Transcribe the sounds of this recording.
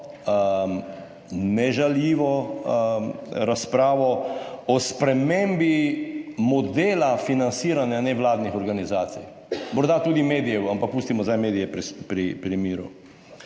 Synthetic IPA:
ə | nɛʒaljiːʋɔ | ɾaspɾaːʋɔɔspɾɛmembi | mɔd̪eːlafinansiːɾanjanɛʋlaːd̪nixɔɾɡanizaːt̪sij | mɔɾd̪at̪uːd̪imeːd̪ijɛwampak̚puːst̪imɔzajmeːd̪ijɛpɾpɾipɾimiːɾṵ

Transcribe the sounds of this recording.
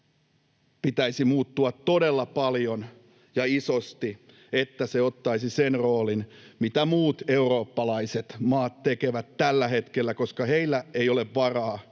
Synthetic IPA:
pit̪æisimuːt̪ːuɑt̪t̪odelːɑpɑljon | jɑisost̪i | et̪ːæseot̪ːɑisisenroːlinmit̪æmuːt̪e̞uro̞ːpːɑlɑiset̪mɑːt̪t̪ekeʋæt̪t̪ælːæhet̪kelːækoskɑheilːæejoleʋʋɑrɑː

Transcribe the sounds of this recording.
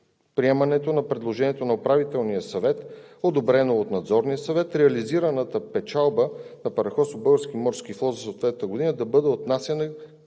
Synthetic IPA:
pɾiɛmɐnɛt̪onɐpɾɛd̪lˠoʒɛniɛt̪onɐopɾavit̪ɛlˠnijəsɐvɛt̪od̪obɾɛnoːt̪nɐd̪zɔɾnijəsɐvɛt̪ɾɛɐliziɾənət̪əpɛt͡ʃalˠbənɐpɐɾɐxɔsobɤɡəɾsk̟imɔɾskiflˠɔt̪zɐsot̪vɛt̪nəɡod̪inəd̪ɐbɤd̪ɛot̪nasjənə

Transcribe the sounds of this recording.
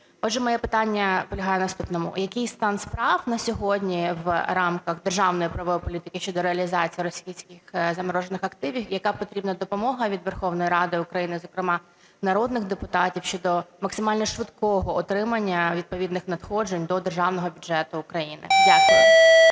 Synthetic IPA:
ɔdʒɛmɔjɛpɪt̪ɑnʲːɐpɔlʲɐɦɑjɛnɐst̪upnɔmʊ̰jɐkɪjst̪ɑnspɾɑwnɐsʲɔɦɔdʲnʲiʋɾɑmkɐɣd̪erʒɑwnɔjipɾɐʋɔpɔlʲit̪ɪkɪʃt͡ʃɔd̪ɔɾeɐlʲizɑt͡sʲijiɾɔsʲijsʲkɪxzɐmɐɾɔʒenɪxɐkt̪ɪʋʲiwjɐkɑpɔt̪ɾʲibnɐd̪ɔpɔmɔɦɐʋʲid̪ʋɛrxɔwnɔjiɾɑd̪ɪʊkɾɐjinɪzɔkɾɪmɑ | nɐɾɔd̪nɪɣd̪epʊt̪ɑtʲiwʃt͡ʃɔd̪ɔmɐksɪmɑlʲnɔʃʋɪd̪kɔɦɔɔt̪ɾɪmɐnʲːɐʋʲid̪̚pɔʋʲid̪nɪxnɐt̪xɔd͡ʒenʲd̪ɔd̪erʒɑwnɔɦɔbʲʊd͡ʒɛt̪ʊːkɾɐjinɪ̰lʲɐ

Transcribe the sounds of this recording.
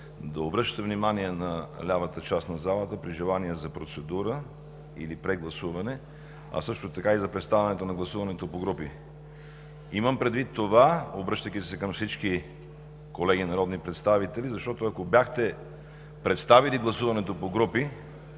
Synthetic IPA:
d̪ɐobɾɤʃt̪ə̥t̪ɛvnimaniɛnɐlʲavət̪ət͡ʃast̪nɐzalˠət̪əpɾiʒɛlˠaniɛzɐpɾot̪sɛd̪uɾə | ḭlipɾɛɡlˠɐsuvɐnɛ | ɐ̰sɤʃt̪ot̪ɐkaizɐpɾɛt̪st̪avɛnɛt̪onɐɡlˠɐsuvɐnɛt̪opoɡɾupi | iməmpɾɛd̪vit̪ːovaobɾɤʃt̪əkʲisɛkɐmfsit͡ʃki | kolɛɡ̟ʲinɐɾɔd̪nipɾɛt̪st̪avit̪ɛlizɐʃt̪ɔt̪oɐkobjaxt̪ɛ | pɾɛt̪st̪aviliɡlˠɐsuvɐnɛt̪opoɡɾupi

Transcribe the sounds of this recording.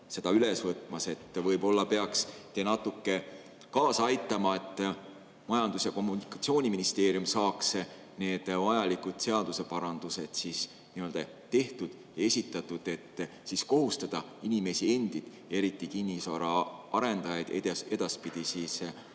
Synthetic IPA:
se̞d̪̥ɑylesvɤt̪ːˑmɑse̞t̪ːvɤjbo̞lːɑpe̞ɑkst̪enɑt̪ːˑukːe̞ | kɑːsɑjt̪ːˑɑmɑe̞t̪ːˑ | mɑjɑnd̪̥usɑko̞mːunikɑ̥t̪sio̞ːnʲiminist̪e̞ːɾijumsɑːks | ne̞ːd̪̥vɑjɑlikud̪̥se̞ɑd̪use̞pɑɾɑnd̪̥use̞d̪̥sis | niø̞ld̪ɑ | t̪e̞ht̪ud̪̥ | jɑe̞sʲit̪ːˑɑt̪ˑːud̪̥e̞t̪ːˑ | sisko̞ɦust̪ɑd̪̥ɑ | inime̞sie̞nd̪̥id̪̥ | e̞ɾit̪ːˑikinʲːisɑɾɑʔɑɾe̞nd̪̥ɑjɑd̪e̥e̞d̪̥ɑspid̪̥isiːs

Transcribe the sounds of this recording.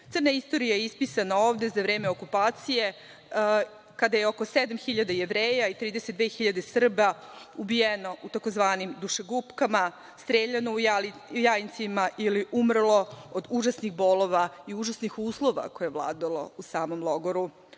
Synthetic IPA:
t̪sɨr̩naist̪o̞ɾijajeispisanao̞ːʋd̪e̞zaʋɾe̞ːme̞okupaːt̪sije̞ | kad̪ajeo̞ko̞sed̪amxiʎad̪ajeʋɾeːjait̪ɾiːd̪eset̪d̪ʋe̞ːxiʎad̪e̞sr̩baubijeno̞ʔut̪ako̞zʋaːnimd̪uʃeɡupkama | st̪ɾeːʎanojajint̪simaʔiliʔumr̩lˠo̞od̪uʒasnixbo̞lˠo̞ʋaiuʒasnixuːslˠo̞ʋa̰ko̞jeʋlˠa̰ːd̪alˠo̞̰usaːmo̞mlˠo̞ɡoɾu

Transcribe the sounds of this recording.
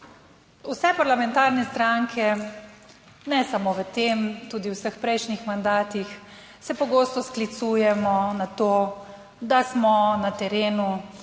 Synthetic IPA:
usɛpaɾlamɛnt̪aɾnɛst̪ɾaŋkʰɛ | nɛsamoʋət̪emt̪uːd̪iwsəxpɾɛjʃnixmand̪aːt̪ix | sɛpɔɡoːst̪ɔsklit̪suːjɛmɔnat̪oː | d̪asmɔnat̪ɛɾeːnu

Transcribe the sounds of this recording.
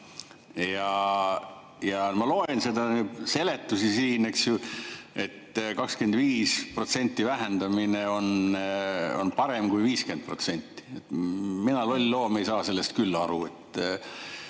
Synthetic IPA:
jɑ | jɑmɑlo̞ense̞d̪ɑnyːdse̞le̞t̪ːusisiːneksjue̞t̪ːkɑkskend̪viːspro̞t̪se̞nʲt̪ːˑivæɦe̞nd̪̥ɑmine̞o̞n | o̞̰npɑɾe̞mkujviːske̞nd̪̥̚pro̞̰t̪se̞nʲt̪ːˑi̥et̪minɑlo̞lʲlo̞ːmejsɑːse̞lːe̞st̪̚kylːɑɾue̞t̪ː

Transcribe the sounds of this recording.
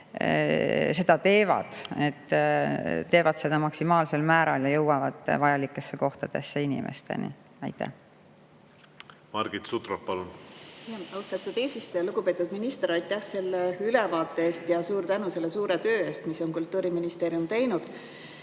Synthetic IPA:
se̞d̪ɑt̪e̞ːvɑ̰d̪̥e̞t̪ː | t̪ːe̞ːvɑd̪̥se̞d̪̥ɑmɑksimɑːlse̞lmæːɾɑljɑjɤwɑvɑd̪̥vɑjɑlikːˑe̞sːe̞ko̞ht̪ɑd̪̥e̞sːeinḭmʔḛst̪ḛnḭ | ɑjt̪ˑːæ̰h | mɑɾɡ̥it̪sut̪rok̚pɑlunjɑɑwst̪ɑt̪ːˑud̪eːsist̪ojɑluɡ̥upe̞ːt̪ud̪̥minist̪eɾɑjt̪ːˑæhse̞lːeylɛvɑːt̪ːˑeeːst̪jɑsuːɾt̪ænuse̞lːesuːɾet̪øːe̞ːst̪miso̞nkult̪ːuːɾiminist̪e̞ːɾjumt̪e̞jnud̪̥

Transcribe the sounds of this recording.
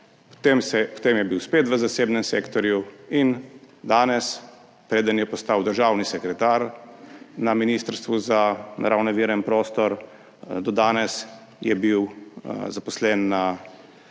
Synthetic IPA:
pt̪emsɛpɔ̥t̪eːmjɛbiwspeːt̪ʋəzaseːbnɛmseːkt̪ɔɾjuin | d̪aːnɛs | pɾeːd̪ənjɛpɔst̪awd̪əɾʒaːwnisɛkɾɛt̪aːɾ | naminist̪əɾst̪ʋuzana̰ɾawnɔʋiːɾɛnpɾoːst̪ɔɾ | d̪ɔd̪aːnɛs | jɛbiwzapɔslɛnːa

